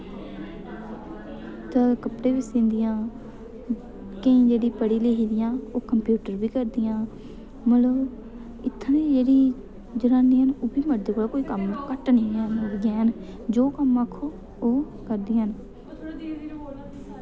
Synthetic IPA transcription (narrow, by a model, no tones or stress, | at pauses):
t̪əkəpɽeːʋɪsẽːnd̪ɪjãː | kəĩːd͡ʒeːɽiːpəɽiːleɦiːd̪ɪjãːoːkəmpjuːʈəɾbiːkəɾd̪ɪjãː | məloː | ɪt̪ʰːnĩːd͡ʒeːɽiː | d͡ʒəɾaːniːɦənoːbiːməɖ̪ekoːlakoːiːkəmkəʈnĩːənəɾɡãːɦən | d͡ʒoːkəmakʰːoː | oː | kəɾd̪iːɦən